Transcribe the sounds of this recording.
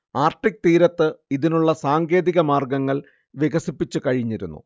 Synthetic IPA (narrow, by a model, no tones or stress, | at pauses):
aːrʈːik̚t̪iːɾɐt̪ːɨiðinuɭːɐsaːŋɡe̞ːðiɣɐmaːrɡɐŋːɐɭ | ʋeɣɐsipːit͡ɕːukɐɻiɲːiɾṵnːṵ